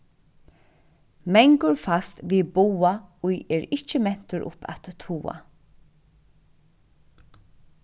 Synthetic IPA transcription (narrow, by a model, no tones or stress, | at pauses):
mɛŋkʊɹfast̪ʋiːbuːaʊjɛːɹɪct͡ʃːəmɛn̥t̪əɾʔʊ̰pʰa̰t̪ːʰuːa̰